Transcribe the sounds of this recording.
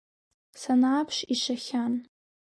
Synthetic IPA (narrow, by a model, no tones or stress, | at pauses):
sanaːpʰʂiʃaχʲan